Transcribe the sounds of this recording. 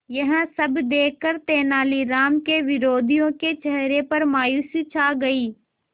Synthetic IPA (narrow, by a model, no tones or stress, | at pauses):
jɐɦə̃sɐbʱd̪eːkʰːəɾt̪eːnaːliɾaːmkeʋɪɾoːd̪ʱijõket͡ʃɐɦɾepɐɾmaːjuːsit͡ʃʰaːɡɐiː